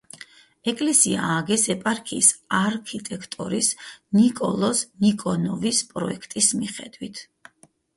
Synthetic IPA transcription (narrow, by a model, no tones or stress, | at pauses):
ɛkʼlɛsia̰ːɡɛsɛpʼaɾkʰiːsaɾkʰit̪ʼɛkʰt̪ʼɔɾisnikʼɔ̰lˠɔsnikʼɔnɔvispʼɾɔɛkʰt̪ʼismiχɛd̪wit̪ʰ